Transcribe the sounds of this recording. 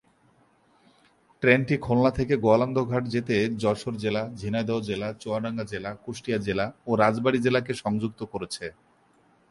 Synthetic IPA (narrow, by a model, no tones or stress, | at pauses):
ʈɾenʈikʰolnat̪ʰekeɡoaland̪ʱoɡʱaʈd͡ʑet̪ed͡ʑɔɾʃoɾd͡ʑelad͡ʑʱinad̪ɔod͡ʑelat͡ɕoaɖaŋɡad͡ʑelakoʃʈijad͡ʑelaoɾad͡ʑbaɽid͡ʑelakeʃɔŋd͡ʑuk̚t̪okoɾet͡ɕʰe